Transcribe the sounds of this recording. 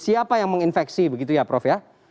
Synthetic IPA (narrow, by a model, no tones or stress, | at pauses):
siapajaŋməŋinfɛksibəɡit̪̬ujapɾɔfja